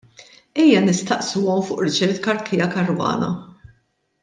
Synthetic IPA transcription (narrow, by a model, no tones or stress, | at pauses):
ɛjːɐnɪst̪ɐʔsuːɔmfʊːʔɾɪt͡ʃɛɾt̪kɐɾkʰɪjɐkɐɾwɐ̰ːnɐ̰